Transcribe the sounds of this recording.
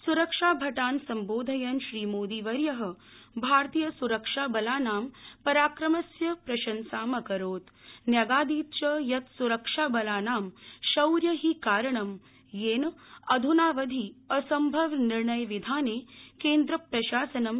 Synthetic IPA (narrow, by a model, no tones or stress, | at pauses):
suɾɐkʂaːbʱɐʈaːnsɐmboːd̪ʱɐjɐnʃɾiːmoːd̪iːʋɐɾjɐɦɐ̆ | bʱaːɾt̪ijɐsuɾɐkʂaːbɐlaːnaːmpɐɾaːkɾɐmɐsjɐpɾɐʃɐnsaːmɐkɐɾoːt̪ | njɐɡaːd̪iːt̪̚t͡ʃɐjɐt̪suɾɐkʂaːbɐlaːnaːmʃɐwɾjɐɦikaːɾɐɳɐm | jeːnɐd̪ʱunaːʋɐd̪ʱiɐsɐmbʱɐʋniɾɳɐjʋid̪ʱaːneːkeːnd̪ɾɐpɾɐʃaːsɐnɐm